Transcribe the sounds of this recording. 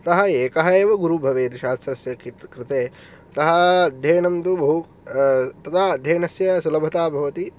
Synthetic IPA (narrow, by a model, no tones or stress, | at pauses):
t̪ɐɦɐ̆eːkɐɦɐeːʋɐɡuɾubʱɐʋeːt̪iʃaːst̪ɾɐsjɐkkɾɪt̪eː | t̪ɐɦɐ̆d̪ʱjeːnɐmt̪ubɐɦu | t̪ɐt̪aːd̪ʱjeːnɐsjɐsulɐbʱɐt̪aːbʱɐʋɐt̪i